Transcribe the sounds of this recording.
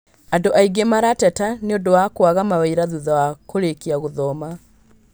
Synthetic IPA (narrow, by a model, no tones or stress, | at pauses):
andoʔaiɡemaɾatɛtaneodowakwaɣamawɛiɾaðuðawakoɾekiaɣoðɔma